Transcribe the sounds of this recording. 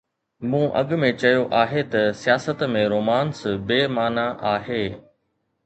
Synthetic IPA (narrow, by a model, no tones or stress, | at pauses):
mũːʔɐ̰ɠʊmẽt͡ɕɐjoʔaːɦet̪ɐsijaːsət̪mẽɾoːmaːnsbeːmaːnaʔaːɦeː